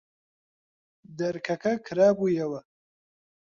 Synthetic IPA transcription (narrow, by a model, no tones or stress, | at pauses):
d̪ɐɾkʰɐkʰɐkʰɨɾaːbuːjɐwɐ